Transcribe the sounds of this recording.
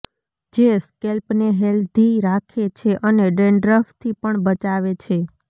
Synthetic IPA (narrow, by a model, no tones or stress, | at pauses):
d͡ʒeskelpneɦeld̪iɾakʰet͡ʃʰeʔəneɖeɳɖɾəft̪ʰipəɳbət͡ʃaʋet͡ʃʰe